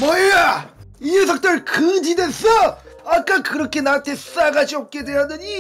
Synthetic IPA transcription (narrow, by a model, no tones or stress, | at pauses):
mʌeja | ies̬ʰʌk̚t͈ɯɭkɯdidesʰʌ | ak͈akɯɾʌkʰe̞nantʰe̞s͈aɡad͡ʑiʌk̚k͈e̞dweɦadɯɲi